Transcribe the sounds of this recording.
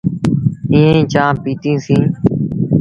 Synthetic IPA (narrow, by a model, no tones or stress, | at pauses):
ĩːẽĩːt͡ʃãːpiːt̪ĩːsĩː